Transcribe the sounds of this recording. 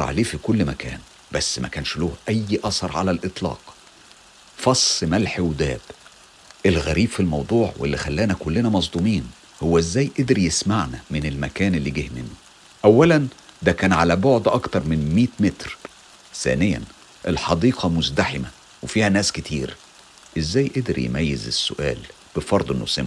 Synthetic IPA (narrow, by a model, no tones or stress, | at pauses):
ɑ̰ʕa̰leːfikolːmækæ̰ːn | bæsːmæ̰kæːnʃloːhʔæjːʔɑsɑɾˤʕa̰lælʔɨt̪ˤlɑ̰ːq | fɑsˤːmælħiwd̪æ̰ːb̥ | ʔelɣæɾiːb̥filmɑwd̪ˤuːʕwḛlːixælːæːnækolːenæmɑzˤd̪ˤumiːn | howːæʔezːæːjʔed̪ɾjesmaʕnæmɪnelmækæːnelːiɡiːhmɪnːo | ʔæwːælænd̪ækæːnʕalæboʕd̪ʔɑkt̪ɑɾˤmɪnmiːt̪met̪ɾ | θæ̰ːnɪjæ̰n | ʔelħɑd̪iːqʰɑmʊzd̪aħemæ | wefiːhænæːskɪt̪ʰiːɾ | ʔezːæːjʔed̪eɾjḛmæjːezesːʊ̰ʔæ̰ːl | b̥ɪfɑɾˤd̪ˤʔenːo̰sɪm